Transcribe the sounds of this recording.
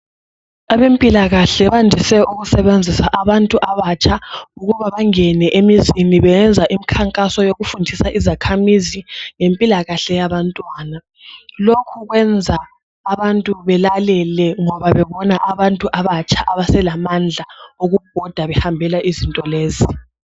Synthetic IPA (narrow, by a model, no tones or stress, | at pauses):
aβempʼilaɣaɬɛβandʱisɛuɣusɛβend͡zʱisaʔaβantʼuʔaβat͡ʃʰauɣuβaβaŋɛnɛʔemiziniβɛnd͡zʱaʔimikʰaŋkʼasɔjoɣufundʱisaʔizakʰamiziŋempʼilaɣaɬɛjaβantʼwaːna | lokʰuɣwɛnd͡zʱaː | βantʼuβɛlalɛlɛŋɔβaβɛβɔnaʔaβantʼuʔaβat͡ʃʼʰaʔaβasɛlamand͡ɮʱaoɣub̥̚ʱɔd̥ʱaβɛhambʱɛlaʔizintʼɔleːzi